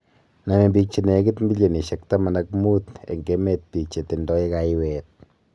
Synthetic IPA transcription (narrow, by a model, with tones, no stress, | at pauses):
na˨me˨mbi˨k̚t͡ʃi˨ne˨˦ɡi˦tmbi˦lje˨ni˨ʃek̚ta˦ma˨nakmu˦tḛ˨ŋɡe˦me˦t̚pi˨kt͡ʃe˨ti˨ndɔ˦i˦kajwɛt̪̚